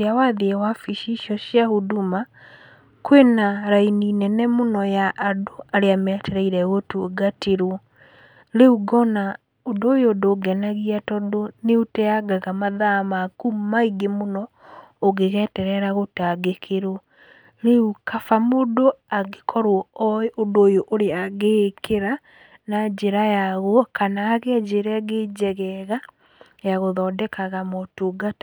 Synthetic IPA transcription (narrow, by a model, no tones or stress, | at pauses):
jawaðeewafiʃiʃjɔɕjahuduma | kwenaɾaininɛnɛmonɔjaʔːdoaɾeamɛtɛɾɛiɾɛɣotuɡateɾwɔ | ɾeuɡɔna | odoːjodoːɡɛnaɣiatɔdoneutɛaɡaɣamaðamakumaiɡemonɔ | oɣeɣɛtɛɾɛɾaɣotaɡekʰeɾo | ɾeukafamodoaɡekʰɔɾwɔɔeʔondoːjoʔoɾeaɣekeɾa | nad͡ʒeɾajaɣwɔkanaːɣɛad͡ʒeɾɛaɡed͡ʒɛɣɛɣa | jaɣoðɔdɛkaɣamɔtoɡata